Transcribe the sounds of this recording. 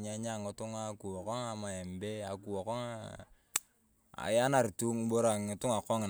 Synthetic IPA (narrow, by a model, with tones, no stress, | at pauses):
ɲ˦a˦ɲa˦˨ŋʊ˨˦tʊ˦ŋa˦ku˨ɔ˨kɔ˦ŋa˨ma˨ɛ˨mbe˦a˨ku˨ɔ˨kɔ˦ŋa˨ | a̰˨ja˦na˨ɾtu˦ŋbo˦ɾa˨ŋɪ˨tʊ˦ŋa˨kɔ˦ŋɪ˨